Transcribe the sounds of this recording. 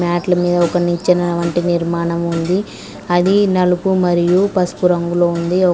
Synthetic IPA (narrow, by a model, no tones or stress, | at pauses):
maːʈlɐmiːd̪ɐɔkɐnit͡ʃːɐnɐʋɐɳʈiniɾmaːɳɐmund̪i | ɐd̪inɐlupumɐɾijupɐspuɾɐŋɡuloːund̪iɔ